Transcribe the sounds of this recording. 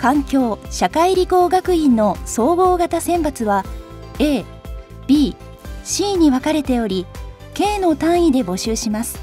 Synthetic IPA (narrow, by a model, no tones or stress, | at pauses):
kãŋkʲo̞ːɕakaiɾʲiko̞ːɡakɯ̟ĩnːo̞so̞ːbo̞ːɡat̪asẽ̞mpat͡sɨβa | eː | b̥ʲiː | ɕiːɲ̟iβakaɾe̞t̪e̞o̞ɾʲi | ke̞ːno̞t̪ãɰ̃id̪e̞bo̞ɕɨːɕimasɨ̥